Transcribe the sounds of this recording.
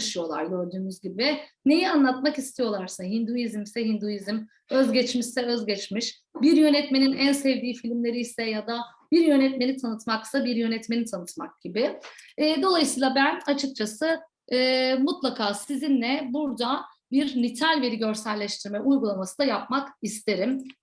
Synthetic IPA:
ʃɯjo̞lˠa̰ɾɟø̞ɾd̪yːmyzɟibivɛne̞jɛanlˠat̪makist̪ʰijo̞lˠaɾsaɦind̪uizmsɛɦind̪ujizim | øzɟɛt͡ʃmiʃsɛø̞zɟɛt͡ʃmiʃ | biɾjø̞nɛt̪me̞ninænsɛvd̪iːfilʲimlʲe̞ɾijsɛjad̪a | b̥iɾjø̞nɛt̪me̞nit̪ʰanɯt̪maksabiɾjø̞nɛt̪me̞nit̪ʰanɯt̪mak̚ɟibɪɛːd̪o̞lˠajɯsɯːlˠabænat͡ʃʰɯk̚t͡ʃʰasɯː | mut̪lˠakʰaːsizinlʲɛbuɾd̪a | biɾnit̪ʰalʲveɾiɟø̞ɾsælʲːɛʃt̪ʰiɾmɛʔujɡulˠamasɯd̪ajap̚makist̪ʰe̞ɾim

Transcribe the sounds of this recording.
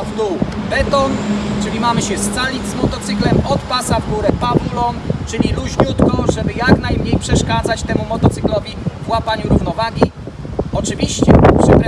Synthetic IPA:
vd̪ubɛt̪ɔnt͡ʂɘlʲimamɘɕɛst̪salʲid͡zʲzmɔt̪ɔt̪sɘklɛmɔt̪pasavɡuɾɛpavulɔnt͡ʂɘlʲiluʑɲut̪kɔʐɛbɘjaknajmɲejpʂɛʂkad̪zat͡ɕt̪ɛmumɔt̪ɔt̪sɘ̥klɔvʲivwapaɲuɾuvnɔvaɡʲi | ɔt͡ʂɘvʲiɕt͡ɕɛ̰ʐ̥ɛpɛ

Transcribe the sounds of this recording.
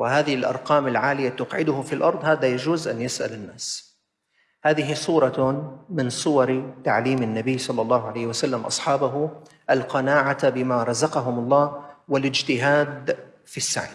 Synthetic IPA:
wɪhaːðɪhɪlʔɑ̰ɾˤqɑːmɪlʕaːlɪjat̪ʊqʕɪd̪ʊhʊfilʔɑɾˤd̪ˤhaːðajad͡ʒuːzʔanjɪsʔa̰lɪnːaːs | haːðɪɦisˤuːɾˤɑmɪnsˤʊwɑɾt̪aʕliːmɪnːabɪjːsˤɑlːɑlˤːɑːhʕalajːhwasalːamʔɑ̰sˤħɑːbaɦʊ | ʔalqɑnaːʕabɪmaɾˤɑzɑqɑɦʊmɑlˤːɑːwɪlɪd͡ʒt̪ɪɦaːd̪ | fisːa̰ʕ

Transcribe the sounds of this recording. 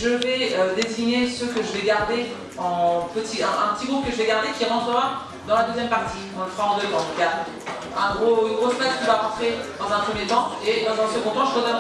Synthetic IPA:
ʒəvɛød̪eziɲesəkəʒəvɛɡaʁd̪e | ɑ̃pət̪ʰiɛ̃ʔɛ̰̃pət̪iɡʁup̚kəʒəvɛɡaʁd̪ekʲiʁɑ̃t̪χəʁa | d̪ɑ̃lad̪øzjɛmpaʁt̪ʰikɑ̃ilsaɑ̃d̪øvɑ̃t̪uka | ɛ̃ɡʁoɡʁosplat̪kɔ̃vaʁɑ̃t̪χed̪ɑ̃zɛ̃pχəmjet̪ɑ̃ed̪ɑ̃zɛ̃səɡɔ̃t̪ɑ̃ʒəʁət̪ɛ

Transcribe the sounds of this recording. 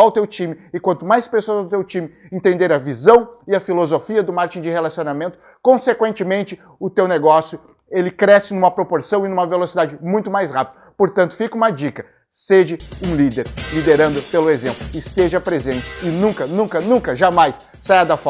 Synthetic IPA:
awt̪ewt͡ʃĩmɪɪkwɐ̃nt̪ʊmajspesoɐzawt̪ewt͡ʃĩmɪẽnt̪ẽnd̪eɾɐvizɐ̃w̃ɪɐfilozofiɐd̪ʊmaɾt͡ʃĩd͡ʒɪhelasionamẽnt̪ʊ̥ | kõsekwẽnt͡ʃɪmẽnt͡ʃɪ | ʊt̪ewneɡɔsjʊ | elɪkɾɛsɪnũmɐpɾopoɾsɐ̃w̃ɪnũmɐvelosid̪ad͡ʒɪmũj̃t̪ʊmajshapid̪ɐpoɾt̪ɐ̃nt̪ʊ̥fikũmɐd͡ʒikɐ | sed͡ʒɪũlid̪eɾlid̪eɾɐ̃nd̪ʊpelʊezẽmplʊɪst̪eʒɐpɾezẽnt͡ʃɪɪnũkɐnũkɐnũkɐʒamajsːajad̪ɐfɔ

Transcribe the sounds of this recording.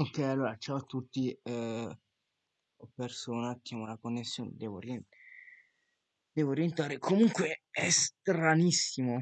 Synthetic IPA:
okːɛjalːoːɾat͡ʃawt̪ːut̪ːi | ɔpːersoːnak̪ːjaːmolakonːesːjoːnḛd̪ɛːvo̰rje | d̪ɛːvoɾjent̪aːɾekʰomuŋkweɛst̪ɾanisːimo

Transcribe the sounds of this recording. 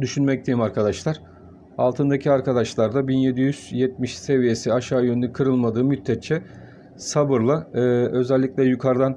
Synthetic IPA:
d̪yʃynmɛc̚t̪ʰejimaɾkʰad̪aʃlˠaɾ̥ | a̰lˠt̪ʰɯnd̪acʰiaɾkad̪aʃlˠaɾd̪abinje̞d̪ijyz̥jɛt̪̚miʃse̞vije̞siaʃaːjønynɛkʰɯɾɯlˠmad̪ɯːmyt̪ʰːɛt͡ʃʰːɛ | sabɯɾlˠaːø̞zɛlʲːicʲlʲɛjukʰaɾd̪an

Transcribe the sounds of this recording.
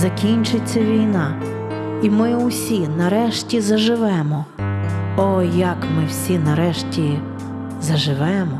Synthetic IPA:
zɐkʲinʲt͡ʃɪt͡sʲːɐʋʲijnɑ | imɪʊsʲinɐɾɛʃtʲizɐʒɪʋɛmɔ | ɔjɐkmɪwsʲinɐɾɛʃtʲi | zɐʒɪʋɛmɔ

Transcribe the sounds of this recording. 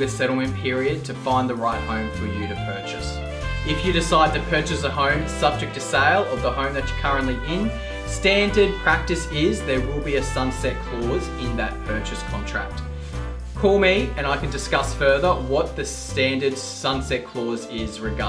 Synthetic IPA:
ɨ̥sɛɾl̩ˠmɨ̃npʰɪɹiɨd̚tʰɨfãɪ̃nðəɹaɪt̚hõʊ̃ɱfə˞jɨɾɨpʰɜ˞t͡ʃɨs | ɪfjɨɾɨsaɪd̚tɨpʰɜ˞t͡ʃɨsəhõʊ̃msʌb̚d͡ʒɨk̚tʰɨseɪlˠə˞ðəhõʊ̃mðɨtskʰʌɹɨ̃nʔliʔɪ̃n | stæ̃ndə˞d̚pʰɹ̥æk̚tɨsɪzðə˞wɪlˠbiɨsʌ̃nsɛt̚kʰl̥ɔzɪ̃nðɨt̚pʰɜ˞t͡ʃɨskʰɑ̃ntʰɹ̥æ̰k̚t̚ | kʰɔlˠmiɨ̃ɾ̃aɪkɨ̃n̩dɨskʌsfɜ˞ðə˞wʌt̪̚ðɨstæ̃ndə˞d̥ | sʌ̃nsɛt̚kʰl̥ɔzɪzɹɨɡɑ

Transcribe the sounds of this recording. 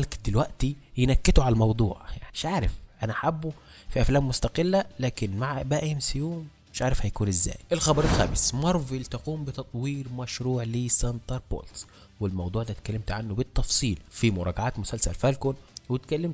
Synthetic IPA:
lkd̪ɪlwæʔt̪ijenækːɪt̪ʊʕalælmɑwd̪ˤuːʕɪʃʕaːɾɪfʔænæħabːu | fiʔæflæːmːʊst̪ɑqɪlːælæːkɪnmaʕʔbæːʔihɪmsɪjuːmmɪʃʕaːɾɪfhæjkuːnɪzːæ̰ːjʔelxɑbɑɾˤelxæ̰ːmɪsmɑɾˤvilt̪ɑquːmbɪt̪ɑt̪ˤwiːɾmæʃɾuːʕliːsænt̪ɑɾˤbo̰ːlt̪ | wɪlmɑwd̪ˤuːʕd̪æːt̪kælːemt̪ʕanːobɪt̪ːɑfsˤiːlfimʊɾˤɑːɡaʕaːt̪mʊsælsæ̰lfælkonwɪt̪kælːɪmt̪

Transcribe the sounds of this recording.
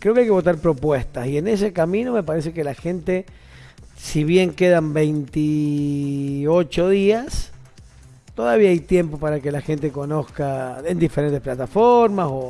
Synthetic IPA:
kɾe̞o̞keajkeβo̞t̪̬aɾpɾo̞pwe̞st̪asie̞ne̞se̞kamĩnome̞paɾe̞s̬e̞ke̞laxe̞nt̪e̞ | siβje̞ŋke̞ðambe̞jnt̪i | o̞t͡ʃo̞ðias | t̪o̞ðaβiaajt̪je̞mpo̞paɾake̞laxe̞nt̪e̞ko̞no̞skaend̪ifeɾe̞nt̪e̞splat̪afoɾmaso̞

